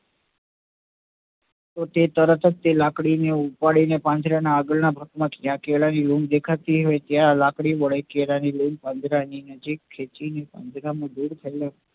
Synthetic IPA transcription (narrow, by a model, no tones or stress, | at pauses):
t̪ot̪et̪əɾət̪ʰət̚t̪elakɽineupaɽinepãnd͡ʒ̪ʱɾanaːɡəlnabʱəkmãkjãkeɭanilumd̪ekʰat̪iɦojt̪jãlakɽiʋəɭəjkelanilumpãnd̪ʱɾaninəd͡ʒikʰːet͡ʃinepã̰nd͡ʒ̪ɾamãd̪uɾt̪ʰəela